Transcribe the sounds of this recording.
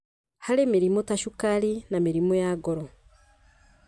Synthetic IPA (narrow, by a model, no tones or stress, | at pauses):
halemiɾimotaʃukaɾinamiɾimojaɡoɾo